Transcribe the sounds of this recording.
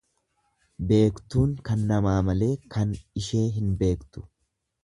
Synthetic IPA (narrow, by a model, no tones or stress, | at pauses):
be̞ːkt̪uːŋkɐnːɐmaːmɐle̞ːkɐnɪʃe̞ːɦɪnbe̞ːkt̪ʊ̥